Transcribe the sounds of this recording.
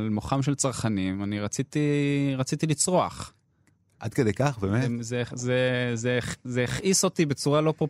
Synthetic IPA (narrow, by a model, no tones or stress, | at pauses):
lmoχamʃe̞lt͡saʁχanimaniʁat͡sit̪iʁat͡sit̪ilit͡sʁoaχ | ʔa̰d̪ked̪ejkaχbemezezezezeːχʔiso̞t̪ibet͡suʁalo̞pʁo